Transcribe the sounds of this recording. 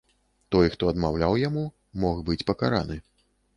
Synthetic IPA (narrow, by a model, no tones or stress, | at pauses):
t̪ɔjxt̪ɔɐd̪mawlʲawjamu | mɔxbɨt͡sʲpɐkaɾa̰nɨ